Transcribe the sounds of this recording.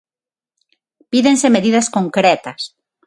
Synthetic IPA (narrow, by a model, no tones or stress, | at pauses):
piðensemeðiðɐskoŋkɾɛt̪ɐs